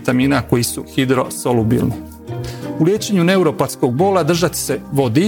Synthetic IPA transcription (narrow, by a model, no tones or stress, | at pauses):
t̪amiːnako̞jisuxid̪ɾo̞solubḭlni | ulje̞ːt͡ɕe̞ɲune̞uɾo̞pat̪sko̞ɡ̚bo̞ːlad̪r̩ʒat̪i̥se̞ʋo̞d̪i